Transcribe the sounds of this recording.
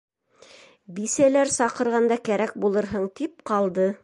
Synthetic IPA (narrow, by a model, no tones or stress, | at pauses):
bisælæɾsɑqɤ̆ɾʁɑnd̪ɑkæɾæk̚bulˠɤ̆ɾɦɤɴt̪ip̚qɑlˠd̪ɤ